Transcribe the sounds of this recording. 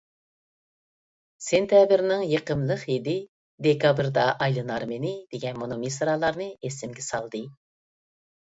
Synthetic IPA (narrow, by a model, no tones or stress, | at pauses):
sent̪ʰjɑbɨɾnɪŋjeqəmlˠəχjid̪ɪ | d̪ekɑbɾd̪ɑʔɑjlˠɨnɑɾmenɪd̪̥eɡʲɛnmonomesɾɑlˠɑɾnɨesɪmɡʲɛsɑlˠd̪ɨ